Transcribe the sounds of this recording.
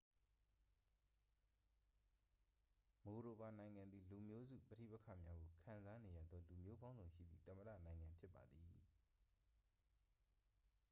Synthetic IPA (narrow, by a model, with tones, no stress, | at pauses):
mo˨ɾo˨ba˨nã˨ɪ̃ŋã˨nd̪ði˨lu˨mjo˦zṵ˦˨pəɾḭ˦˨pə˦kʰä̰˦˨mja˦ɡo˨kʰã̰˨nza˦ne˨jä̰˦˨d̪ðɔ˦lu˨mjo˦bã˦ʊ̃nzõ˨ʃḭ˦˨d̪ði˨t̪ə˨mə˨dä̰˦˨nã˨ɪ̃ŋã˨mpʰjɪ˦pːa˨d̪ði˨